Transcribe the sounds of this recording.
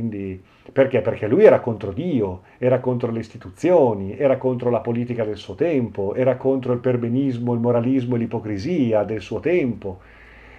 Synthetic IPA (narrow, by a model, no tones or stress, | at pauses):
ind̪i | perkeperkelːujɛːɾakont̪ɾod̪iːo | ɛːɾakont̪ɾoleist̪it̪ut̪sːjoːniɛːɾakont̪ɾolapoliːt̪ikad̪elsuːot̪ɛmpoʔɛːɾakont̪ɾoilperbenizmoeilmoɾalizmoelipokɾiziːad̪elsuːot̪ɛmpo